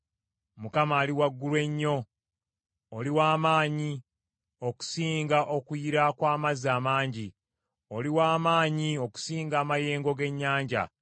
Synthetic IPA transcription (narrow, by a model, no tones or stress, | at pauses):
mukamaːliwaɡːulwe̞ɲːo̞ | liwaːmaːɲi | o̞ku̥siːŋɡaʔo̞kujiɾakwaːmazaːmaːɲɟi | oliwaːmaːɲio̞ku̥siːŋɡaːmaje̞ːŋɡo̞ɡe̞ɲːaːɲɟa̰